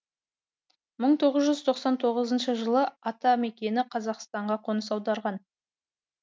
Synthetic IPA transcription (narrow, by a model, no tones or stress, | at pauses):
məɴt̪ʰo̞ʁəzʒʏzt̪ʰo̞qsɑnt̪ʰo̞ʁəzənʃəʒəlˠəɑt̪ɑme̞kʲe̞nɪqʰɑzɑqst̪ɑɴʁɑqʰo̞nəsɑwd̪ɑɾʁɑn